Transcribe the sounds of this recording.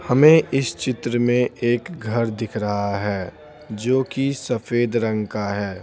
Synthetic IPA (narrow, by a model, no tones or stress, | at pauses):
hɐmẽʔɪst͡ʃɪt̪ɾəmẽeːkɡʱɐɾd̪ɪkʰɾɐɦaɦɛː | d͡ʒoːkisəfʰeːd̪ɾə̃ŋɡkaɦɛː